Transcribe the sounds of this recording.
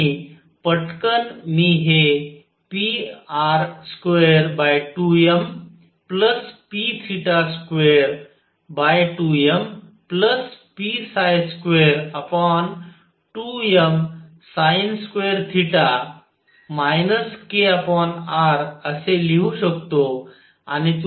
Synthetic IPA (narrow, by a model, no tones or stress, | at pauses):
i | pəʈkənmiɦe | piaɾskʋeɾbaːjʈuem | pləspit̪ʰiʈaskʋeːɾ | baːjʈuːem | pləspisajskʋeɾəpɔn | ʈuem | sajnskʋeːəɾt̪ʰiʈa | majnəskeəpɔːnaːɾəseliuɕəkt̪o | a̰nit̪